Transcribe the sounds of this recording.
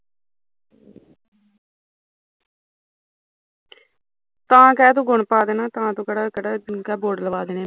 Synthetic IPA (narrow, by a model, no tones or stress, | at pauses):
t̪ãːkɛːt̪̬õːɡʊɳpaːd̪eːnãːt̪ãːt̪õːkəɽaːkəɽakɛːboːɖləʋaːd̪eːneː